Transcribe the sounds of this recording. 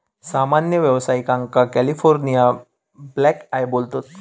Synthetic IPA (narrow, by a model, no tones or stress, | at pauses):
samanjəʋjəʋsaikãŋkakælifoɾnija | blɛkaebolt̪ot̪